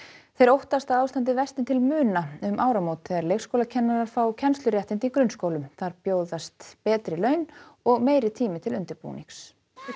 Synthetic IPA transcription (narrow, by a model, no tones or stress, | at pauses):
θejɾowht̪ast̪awawst̪ant̪̬ɪvɛst̪ɪnt̪ʰɪlmʏːnaʏmʔaːwɾamowt̪ɛɾlejxskowlacʰɛnːaɾaɾ̥fɾawcʰɛnst̪lʏɾjɛht̪ɪnt̪ɪikɾʏnskoːwlʏmθaɾpjoːwðast̪pɛːt̪ɾɪlœːɥnɔɣmeːjɾɪt̪ʰiːmɪt̪ʰɪlʏnt̪ɪɾpṵːnḭŋks